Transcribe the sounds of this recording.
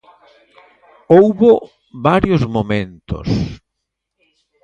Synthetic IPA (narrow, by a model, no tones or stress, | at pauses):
owβo | βaɾjʊzmomẽnt̪ʊ̰s